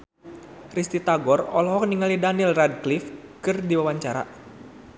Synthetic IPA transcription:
rist̪it̪aɡɔrɔlɔɦɔkniŋalidanilrad̚klifkɨrdiwawaɲt͡ʃaɾa̰

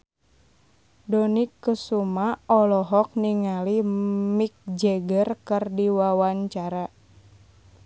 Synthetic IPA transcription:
dɔnikːəsumaɔlɔɦɔk̚niŋalimik̚d͡ʒɛɡərkɨrdiwawaɲt͡ʃaɾa

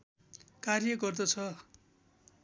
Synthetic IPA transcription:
karjʌɡʌrd̪ʌt͡sʰʌ

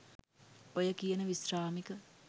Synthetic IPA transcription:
ojəkijənəʋisraːmikə

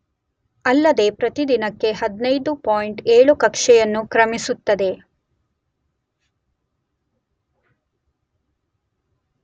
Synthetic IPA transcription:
ɐlːɐd̪e̞pɾɐt̪id̪inɐkːe̞ɦɐd̪nɐjd̪upoːjiɳʈeːɭukɐkʂɛjɐnːukɾɐmisut̪ːɐd̪e̞

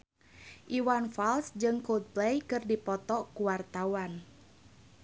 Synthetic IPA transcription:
ʔiwanfalsd͡ʒɨŋkod̪̚plɛjkɨrdipɔt̪ɔkuwart̪awan

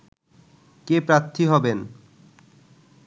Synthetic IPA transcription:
kepɾat̪ʰːiɦɔben

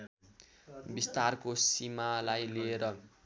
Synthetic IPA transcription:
bist̪arkosimalajlieɾʌ

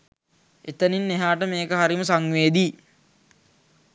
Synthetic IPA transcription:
et̪əninːeɦaːʈəmeːkəɦaɾiməsaŋʋeːd̪i

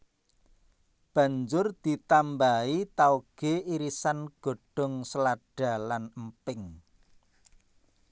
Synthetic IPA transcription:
b̥ä̤ɲd͡ʒʊrd̪̥i̤t̪ambait̪auɡ̥eiɾisanɡ̥o̤ɖ̥ɔ̤ŋsəlaɖ̥a̤lanəmpɪŋ

